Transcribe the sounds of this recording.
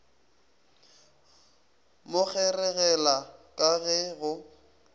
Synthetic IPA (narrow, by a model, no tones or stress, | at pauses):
mʊk͡xɛrɛɣɛlakʼaɣɛɣʊ